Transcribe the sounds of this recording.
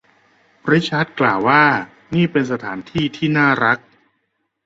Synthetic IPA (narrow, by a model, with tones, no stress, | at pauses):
pɾi˦˥t͡ɕʰa˦˥t̪̚klaː˨˩wːaː˥˩ | niː˥˩pe˧nsa˧t̪ʰaː˩˦nt̪ʰiː˥˩t̪ʰiː˥˩naː˥˩ɾa˦˥k̚